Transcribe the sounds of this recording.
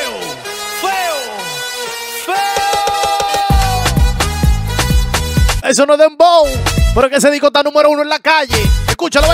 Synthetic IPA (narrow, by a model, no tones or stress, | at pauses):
o | feo | feo | esonoðembowpeɾokes̬eðikot̪anũmeɾounoelakaʝeeskut͡ʃaloβe